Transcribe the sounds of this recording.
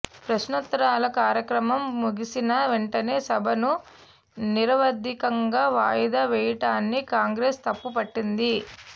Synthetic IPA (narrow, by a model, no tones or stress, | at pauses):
pɾɐʃnɐt̪ːɾaːlɐkaːɾjɐkɾɐmɐmːuɡisinɐʋeɳʈɐne̞ːsɐbʱɐnu | niɾɐʋɐd̪ʱːikɐŋɡaːʋaːjɐd̪aːʋɛːjɐʈaːnːikaːŋɡɾeːst̪ɐpːupɐʈːind̪i